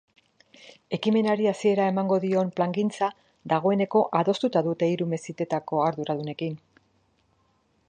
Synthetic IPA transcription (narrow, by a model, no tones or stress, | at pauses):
e̞kime̞naɾiasie̞ɾae̞maŋɡo̞ðio̞mplaŋɡint͡sa | d̪aɣ̞o̞e̞ne̞ko̞ʔaðo̞st̪ut̪aðut̪e̞iɾume̞sit̪e̞t̪ako̞aɾðuɾaðune̞kin